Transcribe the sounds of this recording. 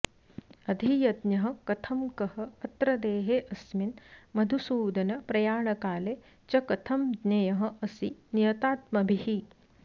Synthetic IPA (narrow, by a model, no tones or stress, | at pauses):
ɐd̪ʱijɐd̪njɐɦɐ̆kɐt̪ʰɐmkɐhɐɐt̪ɾɐd̪eːɦeːʔɐsminmɐd̪ʱusuːd̪ɐnɐpɾɐjaːɳɐkaːle | t͡ʃɐkɐt̪ʰɐmd̪nɐjɐɦɐ̆ʔɐsinijɐt̪aːt̪mɐbʱihi